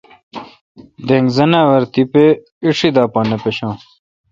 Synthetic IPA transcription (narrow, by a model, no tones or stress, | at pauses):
d̪eŋɡzɐnawɐɾt̪ipe | iʂid̪aːpaːnɐpeɕãː